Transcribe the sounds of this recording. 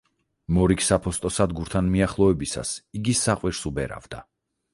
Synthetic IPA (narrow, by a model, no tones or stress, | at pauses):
mɔɾikʰsapʰɔst̪ʼɔsad̪ɡuɾt̪ʰanmiaχlˠɔɛbisa̰siɡisaqʼwiɾsubɛɾa̰vd̪a